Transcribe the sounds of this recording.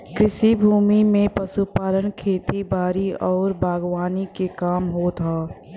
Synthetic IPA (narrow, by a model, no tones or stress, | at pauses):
kɪsibʱuːmimẽpɐsupaːlənkʰeːt̪ibaːɾiɔːɾbʱaːɡwaːnikekaːmɦot̪ʰaː